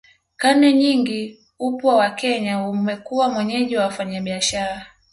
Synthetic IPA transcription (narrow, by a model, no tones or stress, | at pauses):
kanɛɲiŋɡi | upwawakɛɲaumɛkuwamwɛɲɛʄiwawafaɲaɓiaʃaɾa